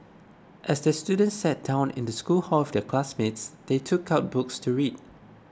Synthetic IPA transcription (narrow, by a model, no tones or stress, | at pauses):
ʔɛsdəstjudə̃ntsːɛt̚d̥ãʊ̃nɪ̰̃ndəskulhɔlɔfdəkʰlasmɪtsd̥etʰukʰaʊt̚bʊkstʰuɹid̚